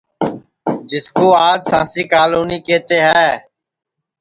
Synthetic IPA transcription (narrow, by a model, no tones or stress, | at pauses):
d͡ʒɪskoːaːd͡ʒsãːsiːkaːluːniːkeːt̪eːɦɛː